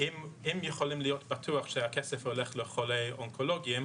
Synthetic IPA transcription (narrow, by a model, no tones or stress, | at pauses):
imimjeχolimlijotbɐtʰuaχʃeakesefholeχleχolejoŋkʰoloɡiim